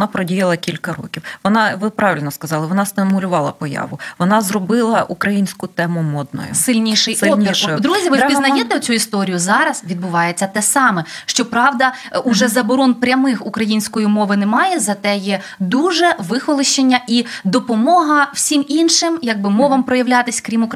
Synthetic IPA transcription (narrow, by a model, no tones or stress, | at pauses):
npɾɔdʲijɐlˠɐkʲilʲkɐɾɔ̰kʲiwʋɔnɑʋɪpɾʔɑʋʲɪlʲnɔskɐzɑlˠɪʋɔnɑst̪ɪmʊlʲʊʋɑlˠɐpɔjɑ̰ʋʊʋɔnɑzrɔbɪlˠɐʔukɾɐjinʲsʲkʊt̪ɛmʊmɔd̪̚nɔ̰jʊ̰sɪlʲnʲiʃɪjsɪɔnʲiɔd̪ɾuzʲiʋɪpʲiznɐjɛt̪ɛʊt͡sʲuist̪ɔɾʲijʊzɑɾɐsʋʲid̪bʊʋɑjet͡sʲːɐt̪ɛsɑmɛʃt͡ʃɔpɾɑʋd̪ɐ | ʊʒɛzɐbɔɾɔnpɾʲɐmɪxukɾɐjinʲsʲkɔjimɔʋɪnɛmɑjɛzɐt̪ɛjɛ | d̪uʒɛʋɪxɔlˠɪʃt͡ʃenʲːɐʔid̪ɔpɔmɔɦɐw̥sʲiminʃɪmjɐɡ̚bɪmɔʋɐmpɾɔjɐʋlʲat̪ɪsʲkɾʲimʊk